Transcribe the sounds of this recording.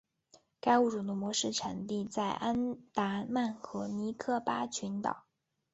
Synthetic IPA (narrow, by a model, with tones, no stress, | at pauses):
ka˥ɪu˥˩ʈ͡ʂu˨˩d̪ə˦mwɔ˧˥ʂɻ̩˥˩ʈ͡ʂʰa˨˩nt̪i˥˧t͡sa˥˩ɪʔa˥nt̪a˧˥ma˥˩nxɤ˧˥ni˧˥kʰɤ˥˩pa˥t͡ɕʰy˧˥nt̪ɑ̰˨˩˦